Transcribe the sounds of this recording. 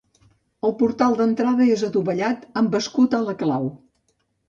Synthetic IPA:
əlˠpuɾt̪alˠd̪ənt̪ɾaðəezət̪uβəʎat̪əmbəskut̪ələklaw

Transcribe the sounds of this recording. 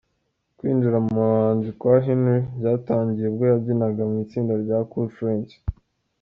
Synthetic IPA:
kwiːnd͡ʒiɾamumuɾaːɲzikwaɦinwebɟaːtaːɲɟije̞b̚ɡojabɟinaɡamŋiːt͡siːndaɾɟakufɾent͡ʃ

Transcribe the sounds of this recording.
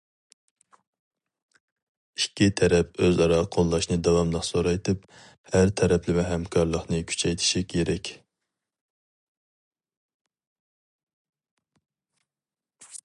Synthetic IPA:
ikʲːit̪ʰɛɾɛpøzɑɾɑqʰolˠːɑʃnɨd̪ɑwɑmlˠəχsoɾɑjt̪ʰɨp | hæɾt̪ʰɛɾɛplɪmɛɦɛmkʰɑɾlˠəχnɨkʲʰy̥t͡ʃʰɛjt̪ʰɪ̥ʃikʲʰeɾɛkʲ

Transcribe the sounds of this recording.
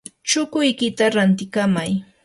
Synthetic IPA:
t͡ʃʊkʊjkɪt̪aɾant̪ɪkamaj

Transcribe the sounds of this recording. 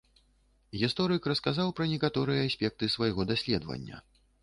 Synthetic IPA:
ɣʲist̪ɔɾɨkɾɐskazawpɾɐnʲɛkat̪ɔɾɨjɐːsʲpʲɛk̚t̪ɨsvajɣɔd̪asʲlʲɛd̪vɐ̰nʲːɐ̰

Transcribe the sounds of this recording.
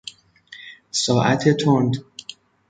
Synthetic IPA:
sɒːʔæt̪ʰet̪ʰond̪

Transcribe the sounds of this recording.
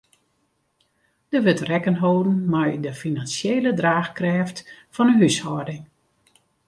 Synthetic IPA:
d̥əʋøtrɛkənɦowdn̩majdəfinansjeːlədraːxkrɛːftfɔnənɦyshɔdɪŋ

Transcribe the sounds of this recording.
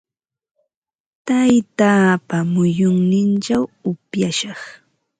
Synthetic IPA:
t̪ajt̪aːpamʊjʊŋnɪnt͡ʃawʊpjaʃɑχ

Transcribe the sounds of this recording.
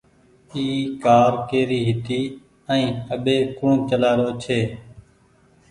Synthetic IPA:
iːkaːɾkeːɾiːɦɪt̪iː | əĩːəɓeːkʊɳt͡ʃəlaːɾoːt͡ʃʰeː

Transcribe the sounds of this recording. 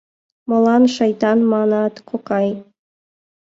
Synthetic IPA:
molˠɑnʃɑjt̪ɑnmɑnɑt̪kʰoqɑj

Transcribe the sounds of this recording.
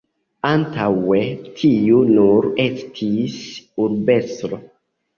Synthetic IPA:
antʰawetʰijunuɾestʰisuɾbestɾo

